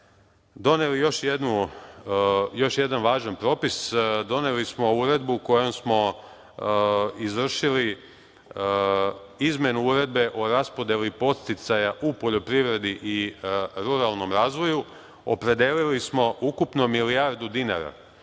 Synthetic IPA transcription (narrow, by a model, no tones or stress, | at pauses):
d̪o̞ne̞lijo̞ʃjed̪nu | jo̞ʃje̞d̪anʋaːʒanpɾo̞ːpisd̪o̞ne̞lismo̞uɾe̞d̪buko̞jomsmo̞ | izʋr̩ʃili | izme̞nuuɾe̞d̪̚be̞ʔo̞ɾaspo̞d̪jelipo̞t̪st̪it̪sajaʔupo̞ʎo̞pɾiʋɾe̞d̪iʔiɾuɾalˠno̞mɾaːzʋo̞ju | o̰pɾe̞d̪elilismo̞ʔukupno̞milijaɾd̪ud̪ina̰ɾa̰